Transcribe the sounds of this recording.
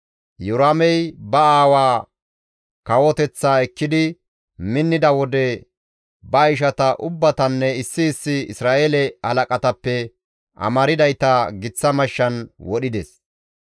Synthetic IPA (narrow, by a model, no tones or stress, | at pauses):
jʊɾamɛjbɐaːwaː | kɐwɔt̪ɛt͡sːaːɛkːɪd̪ɪ | mɪnːɪd̪ɐwɔd̪ɛ | bɐɪʃ̬ɐt̪ɐʔʊbːɐt̪ɐnːɛɪsːɪːsːɪɪ̰sɾaːʔelɛhɐlɐkʼɐt̪ɐpːɛ | ʔɐ̰mɐɾɪd̪ɐjt̪ɐɡɪt͡sːɐmɐʃːɐnwɔɗɪd̪ɛs